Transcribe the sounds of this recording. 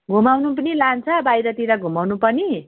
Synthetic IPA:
ɡʱumawnup̬ʌnilant͡sʰʌbajɾʌt̪iɾaɡʱumawnupʌni

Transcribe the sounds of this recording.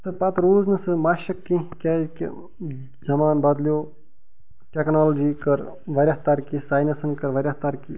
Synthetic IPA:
t̪ɐpɐt̪ɾuːznɨsɨmɐʃɐkːĩkʲɛːkʲ | zɐmaːnbɐd̪ljoː | ʈʲeknaːld͡ʒiːkɐɾ | ʋɐɾʲɐɦt̪ɐɾkisaːjnɐsɐnkɐɾʋɐɾʲjɐht̪ɐɾki

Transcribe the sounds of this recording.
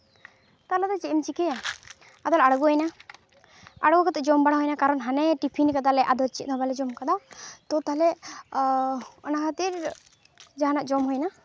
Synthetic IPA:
t̪aɾlad̪ɔt͡ʃɛmt͡ʃikɛ | ad̪ɔlaɽɡɔɦɔjna | aɽɡɔkat̪ɛd͡ʒɔmbaɽaɦɔjnakaɾɔnɦanɛʈipʰinikad̪alɛʔad̪ɔlt͡ʃit̪̚nɔbalɛd͡ʒɔmkad̪awt̪ɔt̪alɛ | ɔ̰nakat̪iɾ | d͡ʒaɦanaʔd͡ʒɔmɦɔjna

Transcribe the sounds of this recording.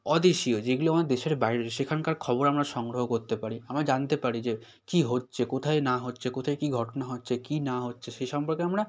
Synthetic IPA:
ɔd̪eʃiod͡ʑeɡuloond̪eʃeɾbajɾeʃekʰankaɾkʰɔboɾamɾaʃɔŋɡɾoɦokoɾt̪epaɾiamɾad͡ʑant̪epaɾid͡ʑe | kiɦotːɕʰekot̪ʰaenaɦotːɕʰekot̪ʰaekiɡʱɔʈonaɦotːɕʰekinaɦotːɕʰeʃejʃɔmpoɾkeamɾa

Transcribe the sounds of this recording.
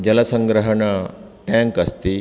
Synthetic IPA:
d͡ʑɐlɐsə̃ŋɡɾəɦəɳa | ʈɛ̃ŋkɐst̪i

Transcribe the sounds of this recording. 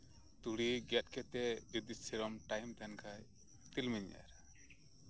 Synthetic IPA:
t̪uɽiɡɛt̪̚kɛt̪ɛid̪isɛɾɔmʈajmt̪ɛnkʰaj | t̪ilmiɲa̰ɾ

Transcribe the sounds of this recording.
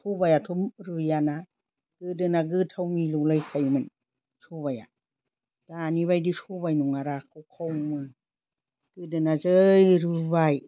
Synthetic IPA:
sʰubajatʰumɾɯjana | ɡ̥ɯdɯnaɡɯtʰawmilulɯjkʰajmɯn | suβaja̰ | d̥aniβajdisubajnuŋaɾakʰɯwkʰawmɯ | ɡ̥ɯdɯnazɯjɾɯbaj

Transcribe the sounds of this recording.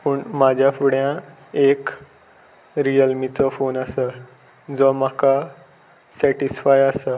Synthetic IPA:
pəɳmad͡ʑʱjafuɽjã | ek | ɾijəlmit͡sɔfonasə | d͡zɔm̤aka | sɛʈisfajasə

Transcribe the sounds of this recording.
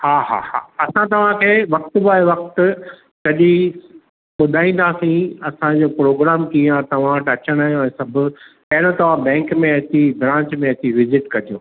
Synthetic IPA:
haːɦa̰ːha̰ːɐsãt̪ɐʋ̤ãkʰeːʋɐk̚t̪ʊbaːeʋɐk̚t̪ʊ | sɐʄi | ɓʊd̪ʱaːĩːn̆d̪aːsĩɐsãd͡ʑoːpɾoːɡɾaːmkiãt̪ɐʋ̤ãʈɐt͡ɕəɽ̃aːɦijõɛ̃ːsɐbʱʊ̆pɐɦɪɽ̃õt̪ɐʋ̤ãbɛ̃ːŋkmẽɐt̪ibɾãːɲt͡ɕmẽɐt̪iʋɪzɪʈkɐɗijõː

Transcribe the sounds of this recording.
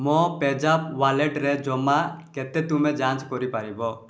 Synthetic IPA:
mɔ̃pɛd͡ʒapʋalɛʈɾɛd͡ʒɔmakɛt̪ɛt̪umɛ̃d͡ʒãt͡ʃkɔɾipaɾibɔ

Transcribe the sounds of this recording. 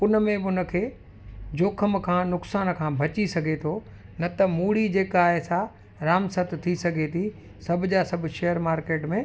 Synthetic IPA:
ʊnəmẽbɪʊnə̆kʰeː | d͡ʑoːkʰəmkʰãːnʊksaːnkʰãːbʱɐt͡ɕisɐɡʱet̪ʰo | nɐt̪ɐmuːɽid͡ʑeːkaːɦesã | ɾaːmsɐt̪t̪ʰisɐɡʱet̪ʰi | sɐbʱɪ̆d͡ʑaːsɐbʱʃɛjəɾmaːɾkeːʈmẽ

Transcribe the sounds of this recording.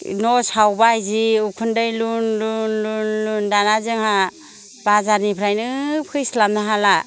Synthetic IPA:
nɔsawbajziukʰɯndɯjlunlunlunlundanazɯŋha | b̥azaɾnipʰɾajnɯpʰɯjslamnɯɦala

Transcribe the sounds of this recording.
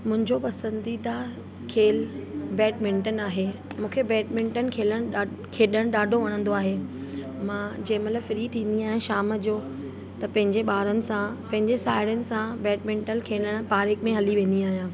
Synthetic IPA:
mʊ̃ɦɪ̃ɲd͡ʑopɐsə̃nd̪id̪aː | kʰeːlbɛːʈmɪ̃ɳʈənaːɦemũːkʰebɛːʈmɪ̃ɳʈənɪ̆kʰeːləɽ̃ɗ | kʰeːɗəɽ̃ɗaːɖʱoʋɐɽ̃ə̃nd̪oaːɦe | mãːd͡ʑɐ̃ːɪ̃mɐt̪ləbfɪɾit̪ʰĩːnd̪iaːɦijãʃaːməd͡ʑoː | t̪ɐpɐ̃ɦɪ̃ɲd͡ʑeɓaːɾənɪ̆sãpɐ̃ɦɪ̃ɲd͡ʑesaːɪɽənɪ̆sãbɛːʈmɪ̃ɳʈənkʰeːləɽ̃paːɾɪkmẽɦɐliʋẽːn̆d̪iaːɦijãː

